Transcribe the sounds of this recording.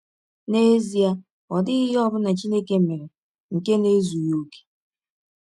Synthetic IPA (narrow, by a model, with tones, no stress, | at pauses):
ne˦zi˦a˦ | ɔ˨dɪ˦ɣɪ˦ɦɔ˦bʊ˦na˨t͡ʃi˦ne˦ke˦m̩˨me˨ɾe˨ | ŋ̩˨ke˦ne˦zu˨jo˦ke̥˦